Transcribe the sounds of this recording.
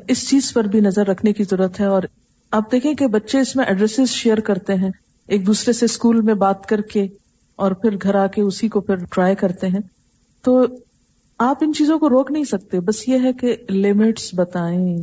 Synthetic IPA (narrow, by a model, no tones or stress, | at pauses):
ɪst͡ʃiːzpɐɾbʱinɐzəɾːɐkʰnekizɐɾuːɾət̪ɦɛɔːɾ | aːp̚d̪eːkʰẽkebɐtːʃeɪsmẽʔɛɖɾɛsɪzʃeːəɾkɐɾt̪eɦɛ̃ | eːk̚d̪uːsɾeseskuːlmẽbaːt̪kɐɾke | ɔːɾpʰɪɾɡʱɐɾaːkeʊsikopʰɪɾʈɾaːjkɐɾt̪eɦɛ̃ː | t̪oː | aːpɪnt͡ʃiːzõkoɾoːknɐɦĩsɐk̚t̪ebɐsjeɦɛkelɪmɪʈsbɐt̪aːẽː